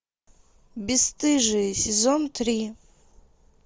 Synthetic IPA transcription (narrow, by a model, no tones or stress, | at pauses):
bʲɪst̪ʰʼɨʐɨsʲɪzo̞ntʰrʲi